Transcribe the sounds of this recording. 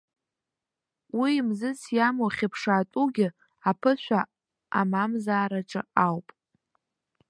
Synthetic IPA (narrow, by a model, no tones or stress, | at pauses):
wimzɨsʰjamoχʲɪpʰʂaːtʷʼuɡʲɪ | apʰɨʃʷa | amamzaːɾaʈ͡ʂʼɨ̰awpʼ